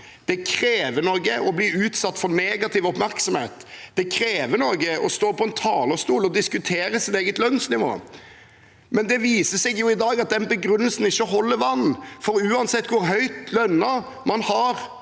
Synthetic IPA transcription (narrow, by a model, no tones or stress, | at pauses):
d̪̥ɛkʰɾeːʋənɔːɡəʔɔbliːʉːt̪sɑt̪ːfɔɾneːɡɑt̪ʰɪʋɔpmæɾksɔmhḛːt̪d̪̥ɛkʰɾeːʋənoːɡəɔst̪oːpɔɛnt̪ʰɑːləst̪uːlɔd̪ɪskʉt̪ʰeːɾəsɪt̪eːɡət̪lœnsnɪʋo̰ː | mɛnd̪ɛʋiːsəsɛɡjʊɪd̪ɑːɡɑt̪̚d̪ɛnbəɡɾʉnːəlsn̩ɪçːəɔɦɔlːəɾʋɑn̩ːfɔɾʉːɑnsɛt̪ːkʰʊɾɦœʏt̪lœnːɑ | mɑnhɑɾ